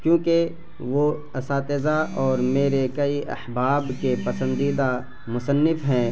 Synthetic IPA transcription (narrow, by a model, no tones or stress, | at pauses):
kjõːke | ʋo | ɐsaːt̪ezaʔɔːɾmeːɾekɐiʔɐ̰hbaːbkepɐsə̃nd̪iːd̪a | mʊsənːɪfɦɛ̃ː